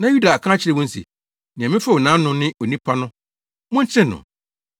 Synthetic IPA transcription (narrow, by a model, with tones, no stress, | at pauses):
nã˨ju˦da˨a˨kʰã˦t͡ɕʰɪ˦ɾɛ˦wɔ̃˦n̩˦sḭ˨ | nɪ̃˨ɛ̃˨mɪ̃˦fa˦˨wo˨nãː˨˦nʊ̃˦nɪ̃˦ʔo˨nĩ˦pʰa˦nʊ̃˦ | mʊ̃˦n̩˦t͡ɕʰɪ˦nʊ̰̃˨